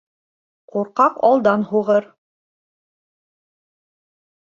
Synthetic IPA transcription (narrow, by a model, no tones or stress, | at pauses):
quɾqɑqɑlˠd̪ɑnhuʁɤɾ